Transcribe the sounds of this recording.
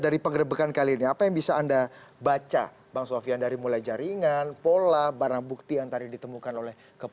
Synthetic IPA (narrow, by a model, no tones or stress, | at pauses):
daɾipəŋɡəɾəbəkankaliːniapajaŋbisaːndabat͡ʃa̰ | baŋsoafiandaɾimulajd͡ʒaɾiŋanpolabaɾaŋbuk̚t̪ijaŋt̪adidit̪əmukanolɛh | kəp